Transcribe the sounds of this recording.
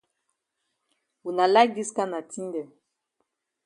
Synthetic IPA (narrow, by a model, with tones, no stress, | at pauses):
wu˨na˨la˦ɡi˦ska˦na˨tʰĩ˦n˦dɛ˨